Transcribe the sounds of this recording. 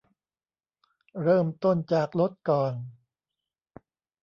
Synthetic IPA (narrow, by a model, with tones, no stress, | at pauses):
ɾɤː˥˩mt̪o˥˩nt͡ɕaː˨˩k̚lo˦˥t̪̚kɔː˨˩n